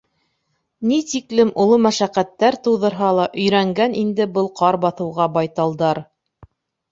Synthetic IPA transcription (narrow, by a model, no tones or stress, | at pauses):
nit̪iklɘmʔŏlˠomæʃæqæt̪ːæɾt̪ɤ̆wðɤ̆ɾɦɑlˠɑʔɵ̆jɾæŋɡænʔind̪ɘbɤlˠqʰɑɾbɑθɤ̆wʁɑbɑjt̪ɑlˠd̪ɑɾ